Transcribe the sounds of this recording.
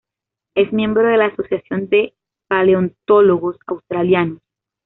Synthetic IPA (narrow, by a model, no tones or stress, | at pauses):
e̞zmje̞mbɾoðe̞laːso̞sjasjo̞nd̪e̞ | paleont̪oloɣo̞sa̰wst̪ɾaljanos